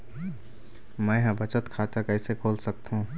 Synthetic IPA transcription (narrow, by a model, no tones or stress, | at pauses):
mɛ̃ɦbət͡ʃət̪kʰaːt̪əkɛːsekʰoːlsəkt̪ɦũ